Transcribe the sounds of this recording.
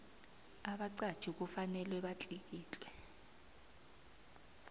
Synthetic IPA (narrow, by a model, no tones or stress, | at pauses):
aɓaǀḁt͡ʃʰik̬ufanɛlwɛɓat͡ɬʼik̬iːt͡ɬʼwɛ